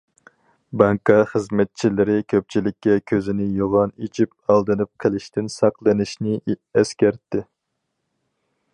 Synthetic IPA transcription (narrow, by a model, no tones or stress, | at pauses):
bɑŋkʰɑχəzmɛt̪̚t͡ʃʰilɪɾɪkʲʰøp̚t͡ʃʰilɪkʲːɛkʲʰøzɪnɪjoʁɑnet͡ʃʰip̚ɑlˠd̪ɨnɨp̚qʰɪlˠɪʃt̪ɪnsɑqlˠɨnɪʃnɪɛskʲæɾt̪ːɪ